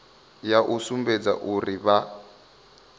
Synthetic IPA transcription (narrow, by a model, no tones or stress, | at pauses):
jaʔusumbed͡za̰ʔuriβa